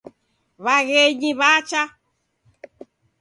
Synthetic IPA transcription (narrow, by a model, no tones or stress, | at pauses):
βaɣeɲĩβat͡ʃa